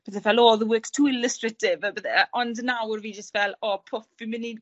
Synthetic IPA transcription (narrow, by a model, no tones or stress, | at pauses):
b̥əθɛvɛloːðəwɪkstʰuːɪləstrətʰɪvəbəθɛʔɔndənawrviːd͡ʒəstvɛlˠopʰʊfvɪmɪni